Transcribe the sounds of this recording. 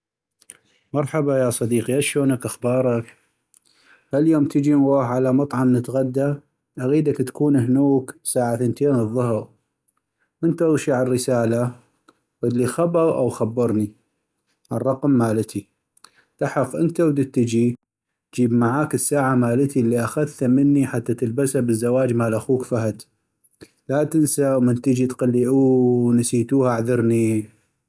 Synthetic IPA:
mɑɾˤħabajaːsˤɑd̪iːqijaʃoːnakʔaxbɑːɾˤɑk | haljoːmt̪ʰəd͡ʒiwoːħʕalamɑt̪ˤʕɑmnət̪ɣad̪ːa | ʔaɣiːd̪akt̪ḁkuːnɦnuːksaːʕaθənt̪eːnɨðˤːʊɦɾ | ʔənt̪aʃiʕarːəsaːla | wəlːixabɑɣʔa̰wxabːɑɾˤni | ʕarˤːɑqmːaːlət̪i | t̪ɑħɑfʔə̰nt̪awd̪ət̪ːəd͡ʒi | d͡ʒiːbmaʕaːkəsːaːʕamaːlət̪ilːiʔaxaðt̪amənːiħat̪ːat̪əlbashabəzːawaːd͡ʒmaːlʔaxuːkfaɦad̪ | lat̪ənsawmɪnt̪əd͡ʒit̪qalːiʔunasiːt̪uːhaaʕðɑɾni

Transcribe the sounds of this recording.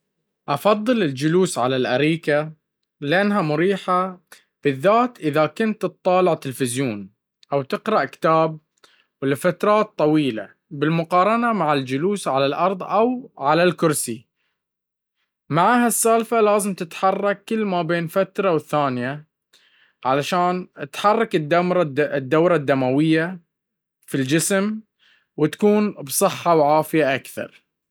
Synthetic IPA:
ʔɑfɑðˤːɨlɪld͡ʒʊluːsʕalalʔaɾiːka | lɪʔanːɦamʊɾiːħa | b̥ɪðːaːt̪ʔɪðakʊnt̪t̪ˤːɑːlɪʕt̪ɪlfɪzjoːn | ʔawt̪ɪqɾˤɑʔkɪ̥t̪aːb̚ | wɪlːafat̪ɾˤɑːt̪ˤːɑwiːla̰ | bɪlmʊqɑːɾˤɑnamaʕald͡ʒʊluːsʕalalʔɑɾˤðˤʔawʕalalkʊɾsi | maʕaːɦasːaːlfalaːzɪmt̪ɪt̪ħɑrˤːɑkːɪlːmabeːnfat̪ɾˤɑwɪθːaːnɪja | ʕalaʃaːnɪt̪ħɑrˤːɑkɪd̪amɾd̪ːawɾˤɑd̪ːamawɪjːa | fild͡ʒɪsm | wɪt̪ḁkuːnbsˤɨħːɑwʕaːfɪjaʔakθɑ̰ɾˤ

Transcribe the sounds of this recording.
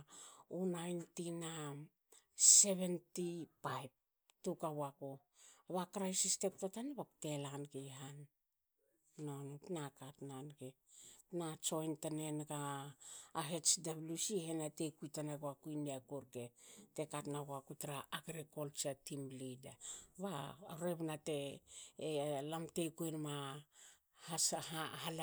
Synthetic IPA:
unajntina | se̞βe̞ntipajb̚ | tukawako | aβakɾajsiste̞k̚totaneβakte̞lanɡejɦan | ontnakatnanɡe | nat͡ʃo̞jntane̞nɡaː | ɦet͡ʃdablusihenate̞kujtanaɡoakujneakuɾkete̞katnaɡoakutɾaʔːɡɾekolt͡ʃatimlidaβaɾeβnate | lamte̞jkuenma | hahal

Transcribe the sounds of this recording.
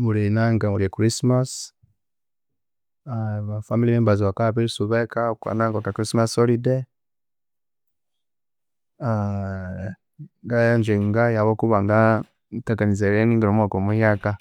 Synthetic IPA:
muɾinaŋɡamuɾiakɾismas | aβafamiliβembaziwakapiɾisuβɛkaukwa̰naŋɡokakɾismasɔlide | a | ŋɡaand͡ʒiŋɡajaβokuβaŋɡa | tekanizeɾeniŋɡiɾomwakomujaka

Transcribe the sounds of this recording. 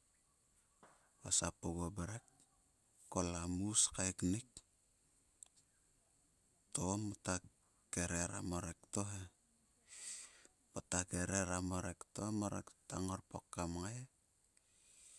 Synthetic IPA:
βasapoβobeɾekː | olamuskajknik̚ | tomota | keɾeɾa̰moɾektoɦe | potakeɾeɾamoɾektomoɾḛktaŋoɾpokːamŋaje

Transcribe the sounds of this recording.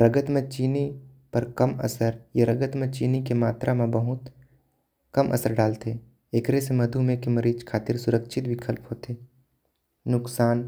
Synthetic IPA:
ɾəɡət̪mẽt͡ʃiːni | pɐɾkəmə̰səɾjeɾəɡət̪mẽt͡ʃiːnikemaːt̪ɾʔamẽbəɦʊt̪ | kɐmʔə̰səɾɖaːlt̪e | ekɾesemɐd̪ʱumẽkemɐɾiːd͡ʒkʰaːt̪ɪɾsʊɾəkʃʰɪt̪bɪkʰəlpɦoːt̪e | nʊksaːn

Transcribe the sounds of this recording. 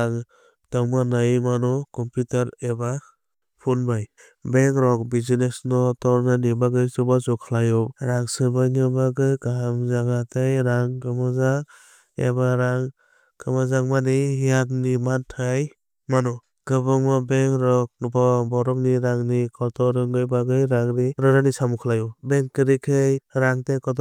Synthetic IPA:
aŋ | d̥aŋmanajmanɔkɔmpjutaɾeba | pʰunbaj | beŋɾɔk̚bizinesnɔtɔɾnɯnibaɡɯsɯbazɔkʰalajɔɾaŋsɯbajnɯbaɡɯɡaɦamzaɡatajɾaŋkɯmazaŋ | ḛbaɾaŋ | kɯmɯzaŋmanijatnimantʰɯj | manɔ | ɡ̥ɯbɯŋmabeŋɾɔk̚bɔbɔɾɔk̚niɾaŋnikʰɔɾtʰɔɾɯŋɡɯjbaɡɯjɾaŋɾiɾɯɾanisamukʰalajɔbeŋkɯɾikʰɯjɾaŋtejkɔtɔ

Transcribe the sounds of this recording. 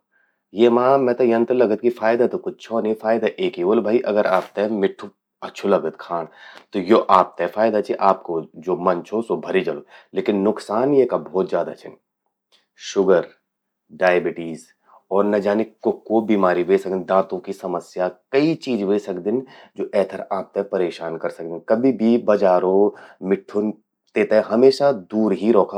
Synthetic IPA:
jeːmãːmɛ̃ːt̪ɐjɐ̃nt̪ɾlɐɡət̪̚kifʰaːɪd̪at̪okʊt͡ʃʰt͡ʃʰɔːnefaːɪd̪aʔeːkioːlbʱaːiʔɐɡəɾʔaːp̚t̪amɪʈʰːu | ɐtːʃʰulɐɡət̪kʰaːɽ̃t̪ojoʔaːp̚t̪afaːɪd̪at͡ʃʰiʔaːp̚kod͡ʒoːmɐnt͡ʃʰosobʱɐɾid͡ʒɐloleːkɪnːʊksaːnjekabɔːt̪zjaːd̪at͡ʃʰɪn | ʃʊɡəɾ | ɖaːjebɪʈiːz | ɔːɾnɐd͡ʒaːnɪkːʊkːobiːmaːɾiʋeːsɐk̚d̪ɪ̃d̪ãːt̪õkisɐməsjakɐit͡ʃiːd͡ʒʋeːsɐkd̪ɪnd͡ʒoːʔɛːt̪ʰəɾaːp̚t̪apɐɾeːʃaːnkɐɾsɐk̚d̪ɪnkɐbʱibʱibɐd͡ʒaːɾõmɪʈʰːon | t̪eːt̪ɦɦɐmeːʃad̪uːɾɦiɾɔːkʰa

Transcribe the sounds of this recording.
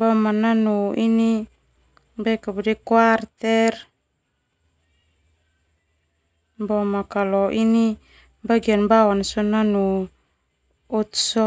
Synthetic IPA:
bomananuini | bakabudekwart̪er | bomakaloʔini | baɡianbawanasonanu | ut̪so

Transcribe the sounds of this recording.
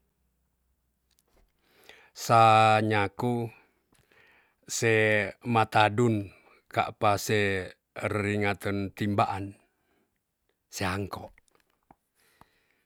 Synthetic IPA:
saɲaku | semat̪adun | ka̰ʔpase | riŋat̪ənt̪imbaʔan | seaŋkɔʔ

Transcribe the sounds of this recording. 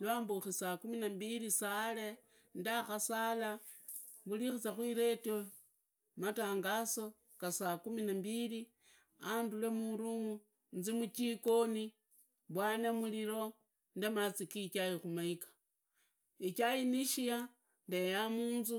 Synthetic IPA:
lwaːmbuxisakuminambilisale | ndaxasala | βulixit͡saxwiɾe̞to | mataːŋɡaso̞ | kasakuminambili | andule̞muɾuŋu | nzimut͡ʃiko̞ni | βwaːnemuliɾo̞ | ndemat͡sikikajixumaikḁ | ikajiniʃija | ndejamuːnzu

